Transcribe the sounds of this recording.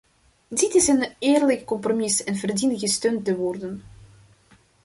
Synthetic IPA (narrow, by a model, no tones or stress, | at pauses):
ditɪsənɪːrləkkɔmpromɪsɛnvərdinɣəstøːntəʋɔrdən